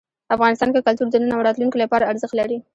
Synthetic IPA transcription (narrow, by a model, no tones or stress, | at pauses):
afɣɑnɪst̪ɑnkekalt̪uɾd̪ənənawɽɑt̪lunkolapɑɾaːɾzəxt̪laɾi